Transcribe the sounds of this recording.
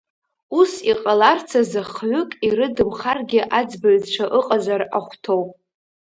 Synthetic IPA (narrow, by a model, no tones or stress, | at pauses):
usiqʼalart͡sʰazaχʕʷʊkʼiɾɨdɨmχarɡʲɪʔad͡zbɨɥʈ͡ʂʷʰaʔɨqʼazaraχʷtʰowpʼ